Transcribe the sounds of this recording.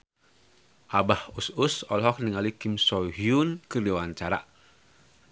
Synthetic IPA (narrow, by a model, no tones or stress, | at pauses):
ʔabahususɔ̰lɦɔk̚niŋalikimsɔɦiunkədiwant͡ʃaɾa̰